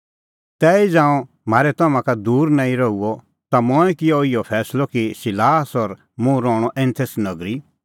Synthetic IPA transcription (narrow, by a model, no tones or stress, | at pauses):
t̪ɛːid͡ʒãːɔ̃ | maːɾɛt̪ɐmãkad̪uːɾnãːĩɾɔuɔ | t̪amɔɛkɪjɔɪjɔpʰɛːslɔkisɪlaːsɔɾ | mũɾɔːɽ̃ɔʔɛ̃nt̪ʰesnɐɡɾi